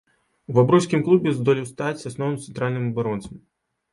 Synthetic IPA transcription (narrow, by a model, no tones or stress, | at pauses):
uvabɾɔsʲkʲimklˠubʲɛzd̪ɔlʲiwst̪at͡sʲsasnɔw̪ɨmt̪sɛnt̪ɾalʲnɨmɐbaɾɔnt̪sɐm